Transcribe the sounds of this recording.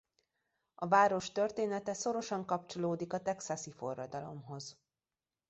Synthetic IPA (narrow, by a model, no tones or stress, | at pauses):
ɒvaːɾo̞ʃt̪ørt̪eːnɛt̪ɛso̞ɾo̞ʃɒŋkɒp̚t͡ʃo̞loːd̪ikɒt̪ɛksɒsifo̞̰rːɒd̪ɒlo̞mɦo̞z